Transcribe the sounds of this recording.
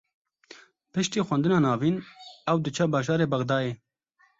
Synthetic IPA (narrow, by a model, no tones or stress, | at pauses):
pɨʃt̪iːxʷwɛnd̪ɨnɑːnɑːviːnɛwd̪ɨt͡ʃʰɛbɑːʒɑːɾeːbɐɣd̪ɑːeː